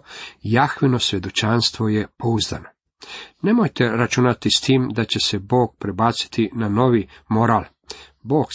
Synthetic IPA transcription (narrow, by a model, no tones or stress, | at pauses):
jaxʋino̞sʋʲje̞d̪o̞t͡ʃanst̪ʋo̞jepouzd̪a̰no | ne̞mo̞jt̪e̞ɾat͡ʃunat̪ist̪iːmd̪at͡ɕe̞se̞bo̞ːɡ̚pɾebaːt̪si̥t̪inano̞ʋimo̞ɾaːl | bo̞ːɡ